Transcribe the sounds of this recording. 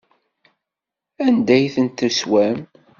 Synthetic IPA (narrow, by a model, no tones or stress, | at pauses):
ænd̪æjθənt̪ːəswæm